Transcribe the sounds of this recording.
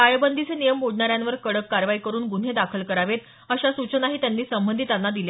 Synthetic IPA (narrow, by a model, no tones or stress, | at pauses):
ajbənd̪ʱit͡senijəmːoɽɳaɾjanʋəɾkəɽəkːaɾʋaikəɾuːnɡun̤ed̪akʰəlkəɾaʋet̪ | əɕasut͡ɕənaɦiːt̪janːiːsəmbənd̪ʱit̪anːad̪ilje